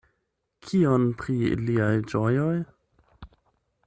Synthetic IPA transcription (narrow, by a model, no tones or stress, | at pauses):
kʰionpɾḭliajd͡ʒojoj